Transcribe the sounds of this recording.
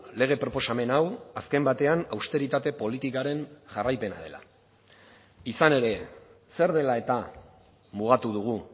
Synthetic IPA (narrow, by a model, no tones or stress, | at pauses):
le̞ɣ̞e̞pɾo̞po̞same̞nawaske̞mbat̪e̞anawst̪e̞ɾit̪at̪e̞po̞lit̪ikaɾe̞nʝarajpe̞na̰ð̞e̞la̰ | isane̞ɾe̞ | se̞ɾð̞e̞lae̞t̪a | muɣ̞at̪uðuɣ̞u